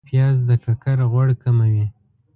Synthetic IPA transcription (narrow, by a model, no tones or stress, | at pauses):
pjɑzd̪əkakaɾɣwaɽkamawi